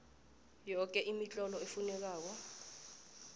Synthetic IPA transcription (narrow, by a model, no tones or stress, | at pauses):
jɔk̬ʼɛʔimit͡ɬʼɔlɔefunɛk̬aːk̬ɔ